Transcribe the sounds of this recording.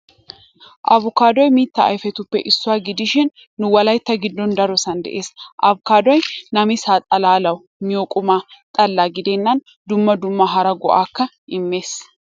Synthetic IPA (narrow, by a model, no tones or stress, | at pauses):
ʔɐβʊkaːd̪ɔjmiːt̪ːɐɐ̰jfɛt̪ʊpːɛʔɪsːʊwaːɡɪd̪ɪʃɪnː | ʊwɐlɐjt̪ːɐɡɪd̪ːɔnd̪ɐɾɔsɐnd̪ɛ̰ʔe̞ːsʔɐβʊkaːd̪wɔjnɐmɪsaːt̪ʼɐlaːlɐw | mɪjoːkʼʊmaːt̪ʼɐlːaːɡɪd̪ɛnːɐn | d̪ʊmːɐd̪ʊmːɐɦɐɾɐɡɔ̰ʔaːkːɐ | ʔɪmːe̞ːs